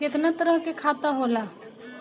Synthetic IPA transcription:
ɪt̪nət̪əɾəɦkekʰaːt̪aɦoːlaː

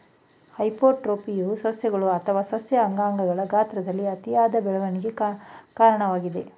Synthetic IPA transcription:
hɐjpoːʈɾoːpijusɐsjɐɡɐɭuɐt̪ʰɐʋaːsɐsjɐːŋɡaːŋɡɐɡɐɭɐɡaːt̪ɾɐd̪ɐlːiɐt̪ijaːd̪ɐbɛɭɐʋɐniɡe̞kaːɾɐɳɐʋaːɡid̪e̞

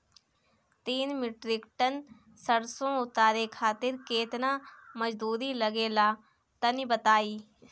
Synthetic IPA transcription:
t̪iːnmɪʈɾɪkʈən | səɾsõʊt̪aːɾekʰaːt̪ɪɾkeːt̪naməd͡ʒd̪uːɾiləɡeːlaː | t̪ənibət̪aːiː

